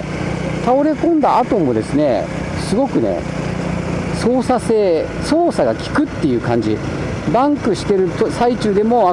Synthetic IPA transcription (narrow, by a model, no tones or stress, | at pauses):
t̪ao̞ɾe̞kõ̞nd̪aat̪o̞mo̞d̪e̞sɨne̞̰ | sɨɡo̞kɯ̟ne̞̰ | so̞ːsase̞ː | so̞ːsaɡakʲi̥kɯ̟t̪ːe̞jɯ̟ːkãɲ̟d͡ʑḭ | bãŋkɯ̟ɕi̥t̪e̞ɾɯ̟t̪osait͡ɕɨːd̪e̞mo̞a